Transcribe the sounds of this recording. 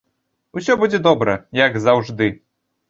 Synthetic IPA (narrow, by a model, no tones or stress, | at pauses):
usʲɔbud͡zʲɛd̪ɔbɾɐjɐɡzawʐd̪ɨ